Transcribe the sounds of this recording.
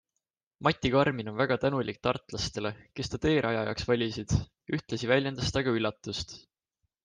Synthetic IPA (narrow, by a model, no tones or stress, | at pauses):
mɑt̪ʲːˑikɑrmino̞nvæɡ̥ɑt̪ænulik̚t̪ɑrt̪ˑlɑst̪e̞le̞ke̞st̪ɑt̪e̞ːɾʔɑjɑjɑ̰ksvɑlʲisid̪̥ | yht̪lesivælʲjend̪̥ɑst̪ɑɡ̥ɑylːɑt̪ːˑust̪